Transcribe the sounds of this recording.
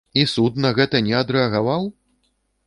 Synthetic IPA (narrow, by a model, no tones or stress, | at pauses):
isut̪̚nɐɣɛt̪ɐnʲɛɐd̪ɾɛɐɣavaw